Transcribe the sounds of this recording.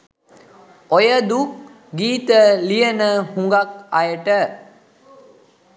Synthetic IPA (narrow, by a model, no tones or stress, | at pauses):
ojəd̪u | ɡiːt̪əlijənəhuŋɡak̚ajəʈə